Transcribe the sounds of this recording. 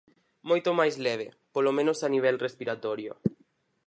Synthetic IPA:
mojt̪omajzlɛβ̞e | polomẽnosaniβ̞ɛlrespiɾat̪ɔɾjo̰

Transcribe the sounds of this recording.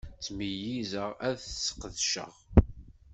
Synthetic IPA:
t͡sːməjizəʁæðθsə̥qːðʃə̰ʁ

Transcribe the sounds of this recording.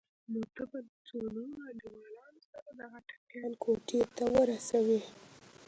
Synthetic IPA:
not̪əbalt͡sonunaliwɑlɑnosaɾad̪aɣaʈḁpjɑnkʰoʈet̪awəɾasawi

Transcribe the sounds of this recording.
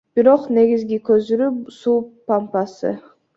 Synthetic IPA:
b̥iɾo̞qne̞ɡizɡikøzyɾysuːpampɑsɯ̰

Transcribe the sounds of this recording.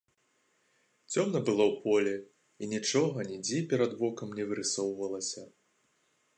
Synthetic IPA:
t͡sʲɔmnɐbɨlˠɔwpɔlʲɛ | inʲit͡ʂɔɣɐnʲid͡zʲɛpʲɛɾɐd̪vɔkɐmnʲɛvɨɾɨsɔwvɐlˠɐsʲɐ

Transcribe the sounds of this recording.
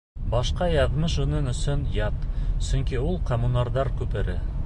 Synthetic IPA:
bɑʃqɑjɑðmɤʃunɤnɵ̆sɵnjɑt̪sɵŋkiulˠqomunɑɾðɑɾkʉpɘ̆ɾɘ

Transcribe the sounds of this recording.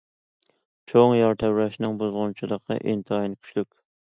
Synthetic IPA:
t͡ʃʰoŋjɑɾt̪ʰɛwɾɛʃnɨŋbozʁʊnt͡ʃʰilˠəqʰːɑ̰ʔint̪ʰɨɑjinkʲʰy̥ʃlykʲ

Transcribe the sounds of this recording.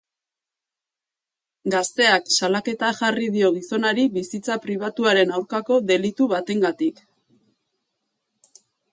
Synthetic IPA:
ɡast̪e̞aksalake̞t̪aʝariðio̞ɣ̞iso̞naɾiβisit͡sapɾiβ̞at̪uaɾe̞nawɾkako̞ðe̞lit̪uβat̪e̞ŋɡat̪ik

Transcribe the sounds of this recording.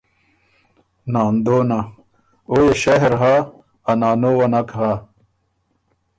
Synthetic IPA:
naːnd̪oːna | oːjeɕɐɦɾɦa | ɐnaːnowɐnɐkɦa

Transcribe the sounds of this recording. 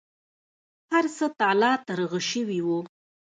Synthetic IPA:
haɾsət̪ɑlɑt̪aɾəɣaʃəwiwu

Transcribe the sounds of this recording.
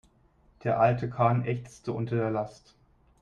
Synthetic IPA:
d̥eːɐʔaltəkʰaːnʔɛçt͡stəʔʊntɐdeːɐlast

